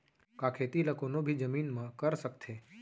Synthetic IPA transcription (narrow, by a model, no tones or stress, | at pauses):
kakʰet̪iləkonobʱid͡ʒəminmãkəɾʃəkt̪ʰe